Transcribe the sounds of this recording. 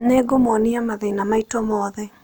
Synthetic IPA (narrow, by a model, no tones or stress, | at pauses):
neɡomɔniamaðenamaitɔmɔːðɛ